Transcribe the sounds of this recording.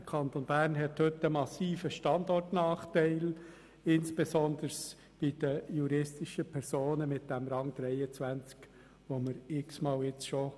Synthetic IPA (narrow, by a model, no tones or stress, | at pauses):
əkʰɑnt̪onb̥æːɾnɦɛthʏtəmɑsiːfəʃtɑndɔrtnɑːχtɛɪl | ɪnsb̥esɔnd̪əɾs | b̥ɪd̥əjuɾɪstɪʃəpʰɛɾsoːnəmɪt̚d̥ɛmɾɑŋd̥ɾɛɪət͡sʋænt͡sk | ʋoməɾɪksmɑːlɪt͡sʃo